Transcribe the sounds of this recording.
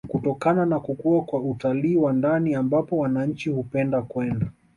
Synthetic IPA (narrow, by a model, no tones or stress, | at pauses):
kutɔkananakukuakwautaliːwandaniambapɔwanaɲ̩t͡ʃihupɛndakwɛnda